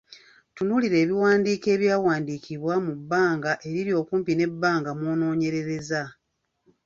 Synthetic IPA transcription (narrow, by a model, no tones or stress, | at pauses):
tunuliɾe̞ːβiwaːndiːke̞ːβjaːwaːndikiβwamubːaːŋɡaʔe̞ɾiɾjo̞ːkuːmpine̞bːaːŋɡamono̞ːɲe̞ɾe̞ɾe̞za